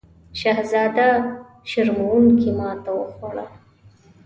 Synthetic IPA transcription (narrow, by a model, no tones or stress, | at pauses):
ʃaɦzɑːd̪a | ʃɪɾmuwuŋkimɑːt̪awəxoɽa